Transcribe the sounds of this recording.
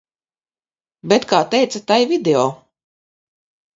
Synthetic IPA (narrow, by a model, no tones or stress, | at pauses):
bʲɛt̪kaːt̪ɛjt̪sat̪ajvid̪eɔː